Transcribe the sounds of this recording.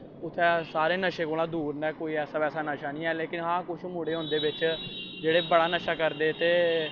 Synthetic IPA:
ʊt̪ʰːɛːsaːɾeːnəʃeːkoːlãːd̪uːɾnɛːkoːiːɛːsaːbɛːsaːnəʃaːnĩːɛːleːkɪnɦãːkʊʃʰmuːɽeːɦʊ̃ːnd̪eːbɪt͡ʃd͡ʒeːɽeːbəɽaːnəʃaːkəɾd̪eːt̪eː

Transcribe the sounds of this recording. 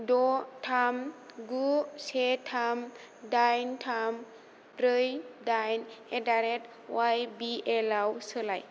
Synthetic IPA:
dotʰamɡusetʰam | dajntʰam | ɾəjdajnedaɾet | wajbiʔelawsəlaj

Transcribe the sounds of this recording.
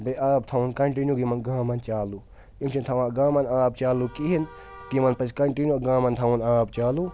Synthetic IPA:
beʔaːb̚t̪ʰɐwunkɐɳʈinjuɡimɐnɡãːmɐnt͡ʃaːlu | imt͡ʃʰint̪ʰɐwãːɡaːmɐnaːb̚t͡ʃaːlukiɦin | kimɐnpɐskɐɳʈinjuɡãːmɐnt̪ʰɐwunaːb̚t͡ʃaːlu

